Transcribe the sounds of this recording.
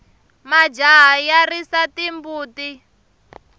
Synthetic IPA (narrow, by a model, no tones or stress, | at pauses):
mad͡ʒaɦjarisatimbuːti